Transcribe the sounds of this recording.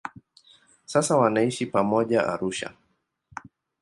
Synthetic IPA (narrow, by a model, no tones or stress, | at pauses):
sasawanaiʃipamɔʄaʔa̰ɾuʃa̰